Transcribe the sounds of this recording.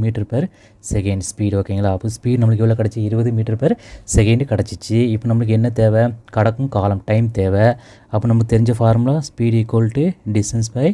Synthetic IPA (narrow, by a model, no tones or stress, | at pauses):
miːʈɐɾpɐɾ | sɛkɐɳɖspiːɽʋoːkːiŋɡɐlaːɐpːõːspiːɖnɐmːɐɭɯk̬ːɪʋɐlːɐkɐɽɐt͡ʃːɐɪɾɯbɐðɯmiːʈːɐɾpɐɾsɛkɐɳɖkɐɽɐt͡ʃːɯt͡ʃːɯɪpːoːnɐmɐɭɯk̬ːɛnːɐt̪eːʋɐkɐɽɐkːɯmkaːlɐmʈɐɪmt̪eːʋɐ | ɐpːoːnɐmːɐkːɯt̪ɛɾɪɲd͡ʒɐfaːɾmʊlaːspiːɽekːoːlʈːɯɖɪsʈɐnspɐj